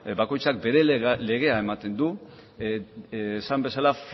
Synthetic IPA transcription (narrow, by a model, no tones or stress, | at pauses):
bako̞jt͡sak̚be̞ɾe̞le̞ɣ̞e̞ae̞mat̪e̞nd̪u | sambe̞salaf